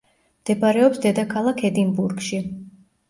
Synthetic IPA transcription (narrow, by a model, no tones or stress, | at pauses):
md̪̥ɛbaɾɛɔpsd̪ɛd̪akʰalˠakʰɛd̪imbuɾɡʃi